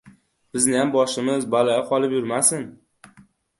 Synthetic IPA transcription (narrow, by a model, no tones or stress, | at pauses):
b̥ɪznɪjambɒʃɪmɪzbalajɪqʰɒlˠɪpjʊɾmasɪn